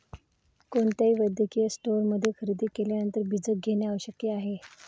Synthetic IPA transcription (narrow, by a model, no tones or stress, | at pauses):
koɳt̪jaiːʋəd̪ʱjəkijəsʈoɾməd̪ʱːjekʰəɾid̪iːkeljanənt̪əɾbid͡zək̚ɡʱeɳjaʋəɕəkːjeaɦe